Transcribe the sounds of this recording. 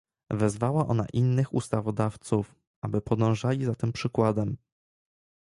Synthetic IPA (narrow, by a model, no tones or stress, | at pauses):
vɛzvawaʔɔ̰na̰ʔinːɘxṵst̪avɔd̪aft̪suf | ʔabɘpɔd̪ɔ̃w̃ʐalʲizat̪ɘmpʂɘkwad̪ɛm